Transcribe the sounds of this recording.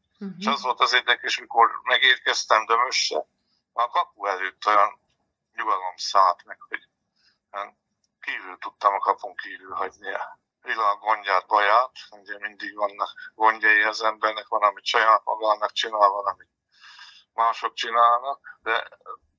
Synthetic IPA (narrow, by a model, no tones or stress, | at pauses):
eʃɒzʋo̞lt̪ɒzeːrd̪ɛkɛʃmiko̞rmɛɡeːrkɛst̪ɛmd̪ømøʃːɛ̰ | kɒpuɛløːt̪ːo̞jɒn | ɲuɡɒlomsaːt̪mɛkho̞ɟ̥ | kiːvylt̪ut̪ːɒmɒkɒpuŋkiːvylɦɒɟniɒ | vilaːɡɡo̞ɲɟaːt̪̚bɒjaːt̪uɟɛmind̪iɡvɒnːɒkɡo̞ɲɟɒjiɒzɛmbɛrnɛkʋɒnɒmit̪ʃɒjaːt̪mɒ̰ɡaːnːɒk̚t͡ʃinaːlvɒlɒmit̪ | maːʃo̞k̚t͡ʃinaːlnɒkd̪ɛ̰